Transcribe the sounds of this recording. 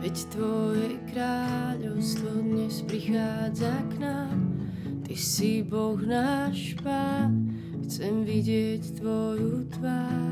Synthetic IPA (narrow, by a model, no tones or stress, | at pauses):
ʋɛct̪ʋɔjɛkɾaːʎɔʊst̪ʋɔd̪ɲɛspɾixaːd͡zaknaːm | t̪isibɔɣnaːʃ | paːn | xt͡sɛmviɟɪɛct̪ʋɔjut̪ʋaː